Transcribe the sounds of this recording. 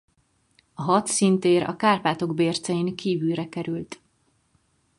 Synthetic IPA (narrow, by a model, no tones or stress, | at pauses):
ɒɦɒt̪sint̪eːɾɒ̰kaːrpaːt̪o̞ɡbeːrt̪sɛjiŋkiːvylrɛkɛɾylt̪